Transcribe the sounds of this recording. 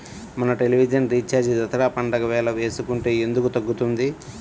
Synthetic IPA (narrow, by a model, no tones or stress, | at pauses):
mɐnɐʈe̞liʋid͡ʒɐnɾiːt͡ʃaːɾd͡ʒid̪ɐt̪ʰɐɾaːpɐɳɖɐkɐʋɛːlɐʋe̞ːsukuɳʈeːend̪ukut̪ɐɡːut̪und̪i